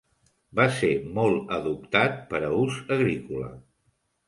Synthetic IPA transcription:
basemɔlˠəðup̚t̪at̪̚pəɾəuzəɣɾikulə̰

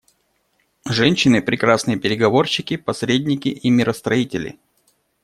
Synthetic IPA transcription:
ʐɛnʲɕːɪnɨpɾʲɪkɾasnɨjəpʲɪɾʲɪɡɐvo̞rɕːɪkʲɪpɐsɾʲedʲnʲɪkʲɪʔimʲɪɾəst̪ɾɐitʲɪlʲɪ̰

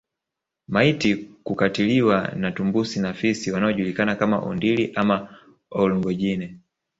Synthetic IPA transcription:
maitikukatiliwanatumbusinafisiwanaɔʄulikanakama̰ʔɔ̰ndiliʔama | ɔliŋɡɔʄinɛ

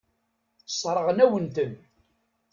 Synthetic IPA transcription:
sˤɾˤəʁnæwənt̪ən

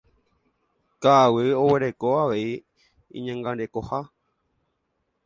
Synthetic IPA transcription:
kaːwɨo̞we̞ɾe̞ko̞aʋe̞i | ḭ̃ɲãŋɡãɾe̞koha

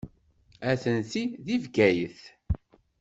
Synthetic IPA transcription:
æθənθiðivɡæjəθ

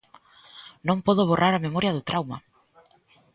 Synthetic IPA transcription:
nõŋpɔðoβ̞orʔaɾamemɔɾjɐðʊt̪ɾawma̰

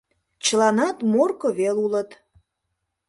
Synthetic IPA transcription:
t͡ɕəlɑnɑt̪morkoβelulət̪

